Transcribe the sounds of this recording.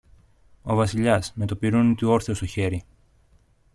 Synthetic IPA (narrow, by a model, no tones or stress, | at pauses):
o̞vɐsiʎɐsme̞t̪o̞piɾunt̪io̞ɾθeost̪o̞çe̞ɾi